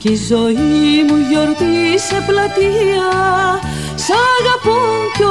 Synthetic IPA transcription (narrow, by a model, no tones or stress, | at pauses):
cizoimuʝoɾt̪iseplɐt̪iɐ | sɐɣɐpuco